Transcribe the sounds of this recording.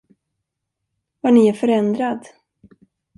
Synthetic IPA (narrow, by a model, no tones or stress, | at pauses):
vaɳɪæɾfœɾɛnd̪ɾad̪